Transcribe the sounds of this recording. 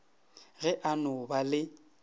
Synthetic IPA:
ɣɛʔanʊbalɪ

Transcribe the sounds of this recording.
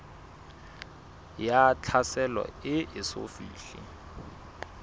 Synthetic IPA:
jat͡ɬʰasɛlwa̰ɪʔɪso̰fḭːɬḭ

